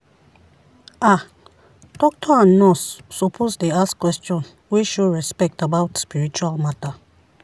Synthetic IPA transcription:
a | tɔk̚tʰɔãnːɔsːɔpʰosdeaskwɛstɔ̃n | wiʃudɹɛspɛk̚tabawtspiɹit͡ʃualmata

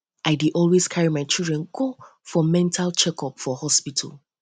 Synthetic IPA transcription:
ʔaɪdiʔɔlweskʰaɹimaɪt͡ʃildɹɛ̃nɡofɔmɛ̃ntʰalt͡ʃɛkʰɔpfɔhɔspitʰa̰l

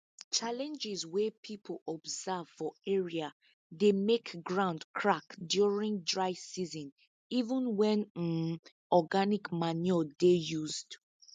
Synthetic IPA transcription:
t͡ʃalɛ̃nd͡ʒɪzwepʰipʰəlɔbzav̥fɔɛɹia | demekɡɹãʊ̃ndkʰɹakdjuɹĩŋdɹaɪsizɔ̃n | ivə̃nwɛ̃nn | ɔɡanikmanjɔdejuzd̥

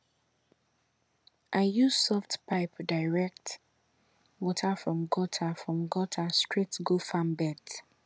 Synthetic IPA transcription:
ʔaɪjusɔftpʰaɪpdaɪɹɛk̚t | wɔtʰafɹɔ̃mɡɔtʰafɹɔ̃mɡɔtʰastɹitɡulfãmbɛt

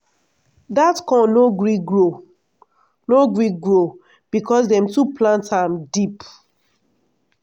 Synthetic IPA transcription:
datkɔ̃noɡɹiɡɹo | noɡɹiɡɹo | b̥ikɔsdɛ̃mtuplãntamdip

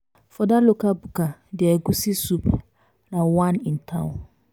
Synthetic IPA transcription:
fɔdalokʰabukʰadɪɛɡusisup | nãwãnĩn̩tʰã̰w̃

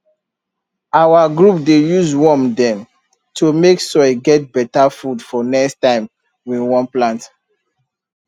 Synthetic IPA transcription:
awaɡɹup̚dejuzwɔ̃mdɛ̃n | tʰumeksɔɪɡɛt̚bɛtafudfɔnɛkstãɪ̃m | wiwɔ̃nplãnt

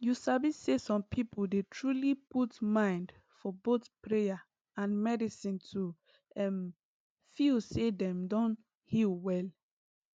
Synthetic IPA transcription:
jusabisːesɔ̃mpʰipʰoldetʰɹuliputmãɪ̃nd | fɔbotpɹeja | ãnmɛdisĩntʰu | ɛm | filsedɛ̃mdɔ̃n | hilwɛl

